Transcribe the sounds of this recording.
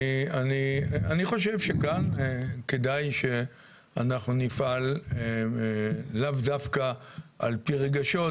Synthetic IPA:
ianianiχo̞ʃe̞vʃekankedajʃe̞ | anaχnunifal | avd̪afkaalpiʁeɡaʃo̞

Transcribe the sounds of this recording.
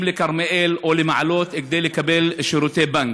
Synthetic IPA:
blɪkaɾˤmaʔeːlolɪmaʕaloːt̪ʔɪɡ̚d̪eːljɪkabelʃʊɾut̪eːbaŋɡ

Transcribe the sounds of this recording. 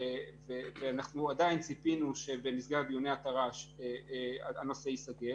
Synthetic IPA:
veveanaχnuad̪ajint͡sipinuʃe̞bemisɡaabijoneat̪aʁaʃeaano̞se̞isaɡe

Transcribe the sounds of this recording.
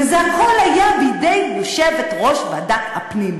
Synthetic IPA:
zanχolajabid̪ejjoʃevet̪ʁoʃbadakhapnim

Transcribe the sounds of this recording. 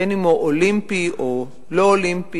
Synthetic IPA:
enimoʔolĩmpio | loolĩmpi

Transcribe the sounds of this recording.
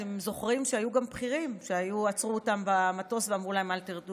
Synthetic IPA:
temzo̞χʁimʃeajuɡampχiʁimʃe̞ajuat͡sʁuotambamato̞sveamʁulae̞maltiʁdu

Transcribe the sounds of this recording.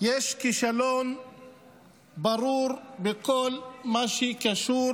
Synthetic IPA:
jeʃkiʃalon | baɾuɾbekolmaʃekaʃuɾ

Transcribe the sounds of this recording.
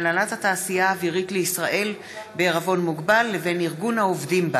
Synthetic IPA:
lalathataːsijaːviʁitleisʁaʔe̞l | beːʁavo̞nmuɡbalːeve̞niʁɡunhaovdimba

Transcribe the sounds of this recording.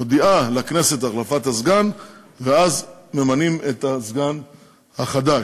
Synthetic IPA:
od̪iʔalakne̞se̞t̪aχlafat̪hazɡan | veazme̞manimet̪azɡan | haχad̪a

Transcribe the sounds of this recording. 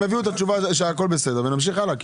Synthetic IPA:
eviuet̪at̪ʃuvaʃ̬eako̞lbesed̪eʁvenamʃ̬iχalak

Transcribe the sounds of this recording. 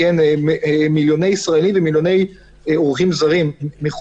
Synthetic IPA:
en | miljo̞ne̞jisʁaelimvemiljone̞j | eoʁχimzaʁimːeχ

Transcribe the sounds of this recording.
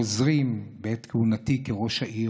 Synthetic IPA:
ozʁimbeetkehunatikeʁo̞ʃhaʔi

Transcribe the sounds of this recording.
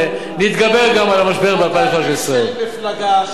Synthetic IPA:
nit̪ɡabeʁɡamalamaʃbeʁbapaχaʃisʁaelflɡ

